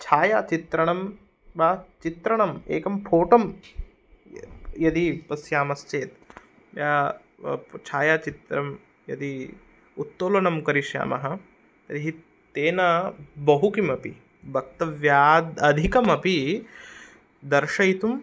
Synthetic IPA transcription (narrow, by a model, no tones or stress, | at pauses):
t͡ʃʰaːjaːt͡ʃit̪ɾɐɳɐm | baːt͡ʃit̪ɾɐɳɐmḛːkɐmpʰoːʈɐm | jɐd̪ipɐsjaːmɐst͡ʃeːt̪ | jaː | t͡ʃʰaːjaːt͡ʃit̪ɾɐm | jɐ̰d̪i | ut̪ːoːlɐɳɐmkɐɾiʃja̰ːmɐɦɐ̆ | ɐd̪iɦi | t̪eːnɐbɐɦukimɐpḭ | bʱɐk̚t̪ɐʋjaːd̪ɐd̪ʱikɐmɐpi | d̪ɐɾʂɐjt̪um